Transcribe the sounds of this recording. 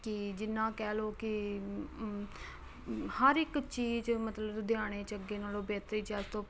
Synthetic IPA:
kɪd͡ʒɪnːãːkɛːloːkɪ | həɾɪkt͡ʃiːt͡ʃmət̪ləbd̪ɪjaːɽ̃eːt͡ʃəɡeːnaːloːbeːt̪ɾiːt͡ʃaːst̪oː

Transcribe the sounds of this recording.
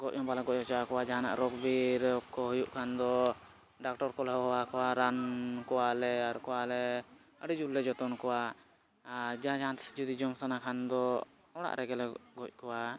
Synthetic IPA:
ɡɔʔ̚ɔmbalaɡɔʔ̚ɔ̃t͡ʃaakɔwad͡ʒaɦãna̰ʔɾɔkbiɾɔkːɔɦujuʔkʰand̪ɔ | ɖak̚ʈɔɾkɔlɦɔɦɔwakɔwaɾankɔwalɛaɾkɔwalɛ | əɽid͡ʒulːɛd͡ʒɔt̪ɔnkɔwa | d͡ʒaɦãd͡ʒaɦãnt̪ʰɛ̥si̥d͡ʒud̪id͡ʒɔmsanakʰand̪ɔ | ɔɽ̃a̰ʔɾɛɡɛlɛɡɔc̚ˀkɔwa

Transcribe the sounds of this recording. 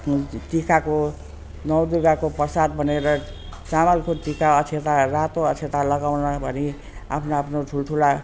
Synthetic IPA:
t̪ikako | nʌwd̪uɡakopʌsad̪̚bʱʌneɾʌ | t͡samalkot̪ikaʌt͡sʰet̪arat̪oʌt͡sʰet̪alʌɡawnʌbʱʌni | a̰pʰnoapʰnoʈʰulʈʰula

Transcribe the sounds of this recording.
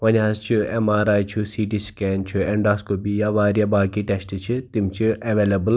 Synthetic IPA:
ʋɐnʲaːst͡ʃʰuḛmaːɾaːjt͡ʃʰusiːʈiskɛːnt͡ʃʰueɳɖaːskobijaʋaːɾjabaːkiʈesʈt͡ʃʰit̪imt͡ʃʰieʋeːlɐbəl

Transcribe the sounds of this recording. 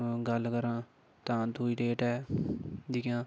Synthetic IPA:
ɡəlkəɾãː | t̪ãːd̪uiːɖeːʈɛː | d͡ʒikjãː

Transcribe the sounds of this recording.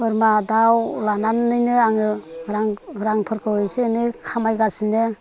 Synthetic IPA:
ɯɾmadawlananːɯjnɯaŋɯɾaŋɾaŋpʰɯɾkʰɯwɯsenɯkʰamajɡasɯnɯ

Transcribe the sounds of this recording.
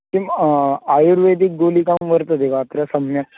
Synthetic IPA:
t̪imajuɾʋed̪ik̚ɡolikãmʋəɾt̪əd̪eʋaːt̪ɾjasəmja

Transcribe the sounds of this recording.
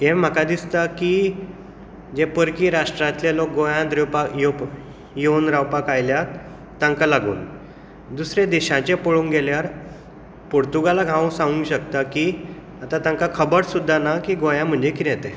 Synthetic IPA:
ɦẽm̤ːakad̪ist̪aki | d͡ʑepəɾkiːɾaʂʈɾat̪ljalok̚ɡojãd̪ɾewpakjop | jeunɾawpakajljat̪ː | ãŋkalaɡṵːn | d̪usɾed̪iɕãt͡ɕẽpəɭuːnɡɛljaɾ | poɾt̪uɡalaɡʱãʋũsãɡũŋɕəkt̪aki | at̪at̪ãŋkakʰəbəɾsud̪ʱːanakiɡojãm̤əɳd͡ʑekinɛt̪ɛ̃

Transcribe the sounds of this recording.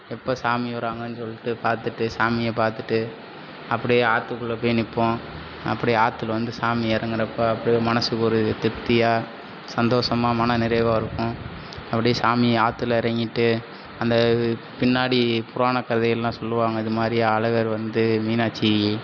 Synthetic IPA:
ɛpːoːsaːmɪʋɐɾaːŋɡɐnːɯsɔlːɪʈːɯpaːɾt̪ɯʈːɯsaːmɪjeːpaːɾt̪ɯʈːɯ | ɐpːɐɽɪjeaːt̪ːɯkːɯɭːɐpoːjnɪpːõ | ɐ̰pːɐɽɪaːt̪ːɯlʋɐnd̪ɯsaːmɪɪɾɐŋɡɪɾɐpːoːɐpːɐɽimɐnɐsɯkʊɾɯt̪ɪɾt̪ːɪjaː | sɐnd̪oːsɐmaːmɐnɐnɪɾɐɪʋaːɪɾɯkːʊ̃ | ɐpːɐɽɪjesaːmɪaːt̪ːɯlɪɾɐŋɡɪʈːɯ | ɐnd̪ɐ | pɪnːaːɽipʊɾaːnɐkːɐɾɐðɐjɐllãːsɔlːɯʋaːŋɡɐɪðɯmaːd̪ɾiaːlɐɣɐɾʋɐnd̪ɯmiːnaːt͡ʃːii

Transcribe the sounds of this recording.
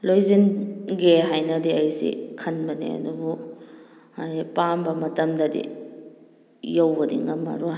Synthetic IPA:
lojzinɡeɦajnɐdiɐjsḭkʰɐnbɐnḛɐ̰dubu | ajnipambɐmɐtɐmdɐdḭ | jawbɐdḭŋɐmːɐ̰ɾu

